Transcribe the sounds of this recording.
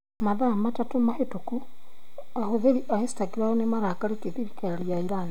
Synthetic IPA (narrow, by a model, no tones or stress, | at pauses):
maðamatatomahetoku | ahoðeɾiʔahesi̥taɡiɾaonemaɾakaɾekeðiɾikaeɾjaiɾana